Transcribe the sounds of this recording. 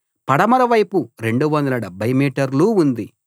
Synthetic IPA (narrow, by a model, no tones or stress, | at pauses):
pɐɽɐmɐɾɐʋɐjpuɾe̞ɳɖuʋɐnd̪ɐlɐɽɐbɐjmiːʈɐɾluund̪i